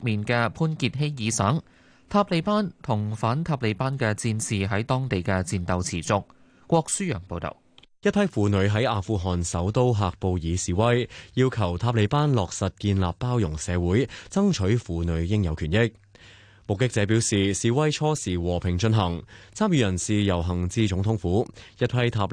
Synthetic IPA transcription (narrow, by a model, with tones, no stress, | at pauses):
k̚miː˨nkɛː˧pʰuː˥nkiː˧t̚ɦe˥jjiː˨˧sɐː˨˥ŋ | t̪ʰaː˧p̚le˨˧jpaː˥nt̪ʰʊ˨˩ŋfaː˨˥nt̪ʰaː˧p̚le˨˧jpaː˥nkɛː˧t͡siː˧nsiː˨ɦɐ˨˥jt̪ɔː˥ŋt̪e˨jkɛː˧t͡siː˧nt̪ɐ˨˧wt͡sʰiː˨˩t͡sʊ˧k̚ | kʷɔː˧k̚syː˥jœ̰ː˨˩ŋpo˧wt̪o̰˨˩w | jɐ˥t̚pʰɐ˥jfuː˨˧nɵ˨˧˥ɥɦɐ˨˥jaː˨˧fuː˧ɦɔː˨nsɐ˨˥wt̪o˥wɦaː˨˧k̚po˧wjiː˨˧siː˨˧wɐ˥jjiː˧wkʰɐ˨˩wt̪ʰaː˧p̬̚le˨˧˥paː˥nlɔː˨k̚sɐ˨t̚kiː˧nla̰ː˨pːaː˥wjʊ˨˩ŋsɛː˨˧wuː˨˥jt͡sɐ˥ŋt͡ʃʰɵ˨˥ɥfuː˨˧nɵ˨˧˥ɥjɪ˥ŋjɐ˨˧wkʰyː˨˩njɪ˥k̚ | mʊ˨kːɪ˥k̚t͡sɛː˨˧˥piː˨˥wsiː˨˩siː˨wɐ˥jt͡ʃʰɔː˥siː˨˩wɔː˨˩pʰɪ˨˩ŋt͡ʃɵ˧nɦɐ˨˩ŋt͡sʰaː˥mjyː˧jɐ˨˩nsiː˨jɐ˨˩wɦɐ˨˩ŋt͡siː˧t͡sʊ˨˥ŋt̪ʰʊ˨˥ŋfuː˨˥jɐ˥t̚pʰɐ˥jt̪ʰaː˧˥p̚